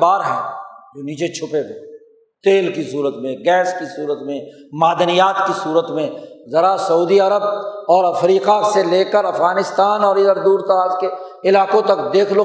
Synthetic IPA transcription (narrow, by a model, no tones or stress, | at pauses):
baːɾɦɛːd͡ʒoːniːt͡ʃet͡ʃʰʊpeɡeː | t̪eːlkisuːɾət̪mẽɡɛːskisuːɾət̪mẽmaːd̪ənijaːt̪kisuːɾət̪mẽzɐɾasɐuːd̪iɐɾəbɔːɾɐfɾiːqaseleːkəɾɐfɣaːnɪst̪aːnɔːɾɪəɾd̪uːɾt̪ɐɾaːzke | ɪlaːkõt̪ɐkd̪eːkʰloː